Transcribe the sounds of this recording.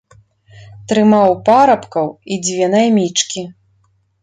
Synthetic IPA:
t̪ɾɨmawpaɾɐpkɐwid͡zʲvʲɛnajmʲit͡ʂkʲi

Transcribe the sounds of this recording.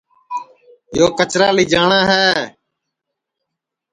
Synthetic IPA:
joːkət͡ʃɾaːliːd͡ʒaːɳaːɦɛː

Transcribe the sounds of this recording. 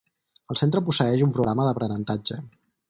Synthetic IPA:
əlˠsent̪ɾəpusəɛʃumpɾuɣɾaməðəpɾənənt̪ad͡ʒə

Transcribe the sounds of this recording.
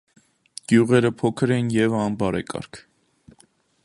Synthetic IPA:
ɡ̥juʁɛɾəpʰɔkʰəɾɛnjɛvɑnbɑɾɛkɑ̰ɾkʰ

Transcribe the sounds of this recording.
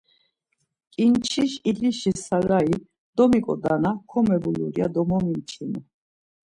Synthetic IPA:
kʼint͡ʃʰiʃiliʃisaɾai | d̪̥ɔmikʼɔ̰d̪anakʰɔmɛbuluɾia̰d̪ɔmɔmint͡ʃʰinu

